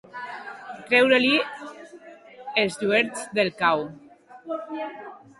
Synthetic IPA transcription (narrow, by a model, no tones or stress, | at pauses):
kɾɛwɾeli | ezʎueɾt͡sd̪elkaw